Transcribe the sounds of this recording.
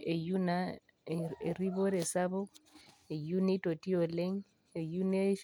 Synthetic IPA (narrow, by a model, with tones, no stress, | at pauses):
e˨ju˦na˦ | e˨ri˦βo˦ɾe˨sa˦βo˦ | e˨ju˦ne˦tʼo˨tʼi˦o˨le˦ŋ | e˨ju˦ne˦